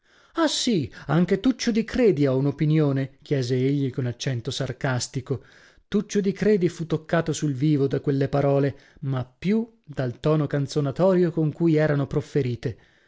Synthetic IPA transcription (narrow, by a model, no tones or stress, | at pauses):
asiaŋk̟et̪ut͡ʃːod̪ikɾeːd̪iaunopinjoːnek̟jɛːzeeʎːikonat͡ʃːɛnt̪osarkast̪iko | t̪ut͡ʃːod̪ikɾeːd̪ifut̪ːokːaːt̪osulviːvod̪akwelːepaɾɔːle | mapːju | d̪alt̪ɔːnokant̪sonat̪ɔːɾjokoŋkujɛːɾanopɾofeɾiːt̪e